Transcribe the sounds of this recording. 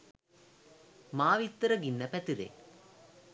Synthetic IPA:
maːʋit̪ːɐɾɐɡinːɐpɛt̪iɾḛ

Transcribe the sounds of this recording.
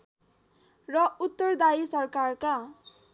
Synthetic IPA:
rʌut̪ːʌrd̪aisʌrkarka

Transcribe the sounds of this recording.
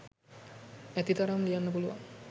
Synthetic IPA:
ɛt̪it̪aɾamlijanːəbuluʋa̰

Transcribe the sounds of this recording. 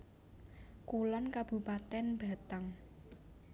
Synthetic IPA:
kulɔnkab̥ṳpat̪ɛnb̥a̤t̪əŋ

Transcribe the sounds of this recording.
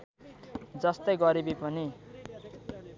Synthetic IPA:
d͡zʌst̪ʌjɡʌɾibipʌni

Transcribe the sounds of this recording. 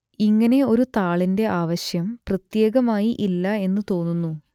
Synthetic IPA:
iŋːɐne̞o̞ɾut̪aːɭinde̞ʔaːʋɐɕjɐmprɐt̪je̞ːɣɐmaːjiʔilːɐe̞nːɨt̪o̞ːnːunːu

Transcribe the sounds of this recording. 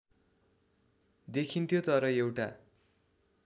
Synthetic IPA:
d̪ekʰint̪ʰjot̪ʌɾʌewʈa

